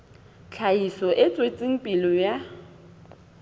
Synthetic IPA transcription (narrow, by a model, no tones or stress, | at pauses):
t͡ɬʰaisɔʔɪt͡sʼwet͡sʼiŋ̩pʼilɔja